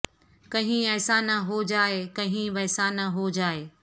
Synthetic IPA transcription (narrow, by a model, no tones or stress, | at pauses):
kɐɦɪ̃ɛːsaːnaɦod͡ʑaːekɐɦɪ̃ʋɐɦsaːnaɦod͡ʑaːeː